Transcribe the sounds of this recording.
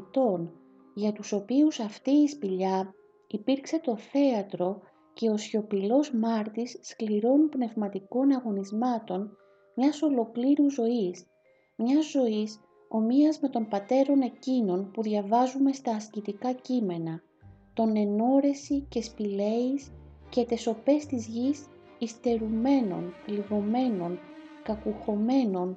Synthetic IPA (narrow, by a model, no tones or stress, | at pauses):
t̪o̞n | ʝɐt̪uso̞piusɐft̪iːspiʎɐ | ipiɾkse̞t̪o̞θe̞ɐt̪ɾo̞ | ce̞o̞sço̞pilo̞zmɐɾt̪isːkliɾo̞npne̞vmɐt̪iko̞nɐɣo̞nizmɐt̪o̞n | mɲɐso̞lo̞kliɾuzo̞is | mɲɐzːo̞is | o̞miɐzme̞t̪o̞mpɐt̪e̞ɾo̞ne̞cino̞npuðʝɐvɐzume̞st̪ɐːscit̪ikɐcime̞nɐ | t̪o̞ne̞no̞ɾe̞sice̞spile̞isce̞t̪e̞so̞pe̞st̪izʝis | ist̪e̞ɾume̞no̞̰nliɣo̞me̞no̞nkɐkuxo̞me̞no̞n